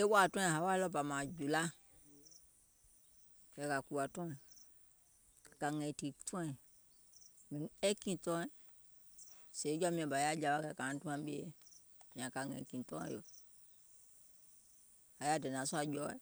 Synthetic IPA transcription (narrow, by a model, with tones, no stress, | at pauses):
e˦wɔ˦a˨tɔ̃˦ɛ̃˨ɦa˨˦wa˦lɔ˦ba˨mã˨d͡ʒu˨la˦ | kɛ˨ka˨ku˨a˨tɔ̃˦ɛ̃˨ | ka˨ŋɛ̃˨ti˨tʰɔ̃˦ɛ̃˨ | mĩ˨ɛ˦kĩ˨tɔ̃˦ɛ˨ | se˨˦d͡ʒɔ˦mĩ˨ã˨ba˨ja˦d͡ʒa˨˦wa˦kɛ˨kã˨˦tũ˦ã˦m˦be˦e˦ | mĩ˨ã˨ka˨ŋɛ̰̃˨kĩ˨tɔ̰̃˦ɛ̰̃˦˨jo˨ | ha˨˦ja˦˨dɛ˨n˨ã˨˦su˦a˨d͡ʒɔ˦ɛ̰˨